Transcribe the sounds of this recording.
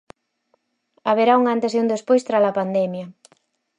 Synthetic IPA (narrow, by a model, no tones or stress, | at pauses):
aβ̞eɾauŋant̪esund̪espojst̪ɾalapand̪ɛmjɐ